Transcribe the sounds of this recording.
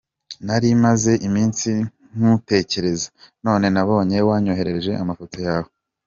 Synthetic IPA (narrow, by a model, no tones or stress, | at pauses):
naɾimaze̞ʔimiːnsi | ŋ̥ute̞ːce̞ɾe̞zḁno̞ːne̞naβo̞ːɲe̞waːɲoɦe̞ɾe̞ɾeʒe̞̰ʔamafo̞to̞jaːho